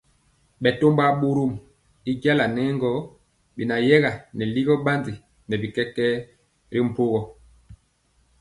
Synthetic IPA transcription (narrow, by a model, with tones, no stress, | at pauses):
ɓɛ˨to˦mba˦ɓu˦ɾu˦˨m | i˦ɡa˦la˨nɛ˦ŋɡɔ˦ | bi˨na˨jɛ˦ɣa˨nɛ˨li˦ɣɔ˦ɓa˦ndi˨ | nɛ˨bi˨kɛ˦kːɛ˦ | ɾi˦m̩˨po˦ɣɔ˨